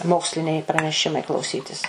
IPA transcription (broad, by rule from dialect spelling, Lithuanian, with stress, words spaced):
ˈmoːksʲlʲɪnʲɛɪ prɐnʲɛˈʃʲɪmɐɪ klˠɐʊˈsʲiːtʲɪs